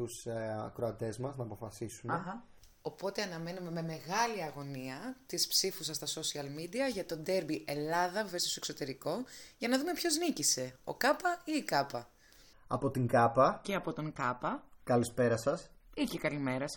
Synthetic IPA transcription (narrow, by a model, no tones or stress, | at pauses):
usɐ̰kɾoɐt̪e̞zmɐznɐːpo̞fɐsisuneɣɐ | o̞po̞t̪eɐnɐmenume̞me̞me̞ɣɐliɐɣo̞niɐt̪ispsifusɐst̪ɐso̞siɐlmid̪iɐʝɐt̪o̞d̪e̞ɾbiʔe̞lɐðɐvvest̪ost̪oeksot̪e̞ɾiko̞ʝɐnɐðume̞pço̞znicise̞o̞̰kɐpɐiːkɐpɐ | ɐ̰po̞t̪iŋɡɐpɐceɐpo̞t̪o̞ŋkɐpɐkɐlispe̞ɾɐsɐsiçekɐlime̞ɾɐs